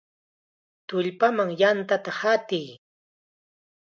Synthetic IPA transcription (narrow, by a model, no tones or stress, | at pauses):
t̪ʊʎpamaŋjant̪at̪ahat̪ɪj